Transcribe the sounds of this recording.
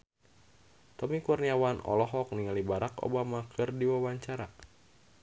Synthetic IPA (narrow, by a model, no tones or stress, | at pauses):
t̪ɔmikurniawanɔ̰lɔɦɔk̚niŋalibaɾako̰bamakʰɨrdiwawaɲt͡ʃaɾa